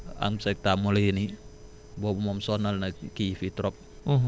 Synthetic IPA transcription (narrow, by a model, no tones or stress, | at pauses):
a̰ŋsak̚t̪amoleni | bɔmumɔmsɔnalnakifit̪ɾɔp̚